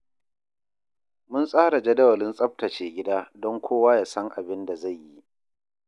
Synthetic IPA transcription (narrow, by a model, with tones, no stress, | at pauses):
mʊ˦nsʼaː˦ɽa˨d͡ʒɐ˦dɐ˦wɐ˨lɪ˦nsʼɐ˦p̚tɐ˨t͡ʃeː˨ɡʲɪ˦daː˦dɔ˦ŋkʷʰoː˦waː˦jaː˨sɐ˦ŋʔa˨bɪ˦nda˨za˦˨jji˦ʔ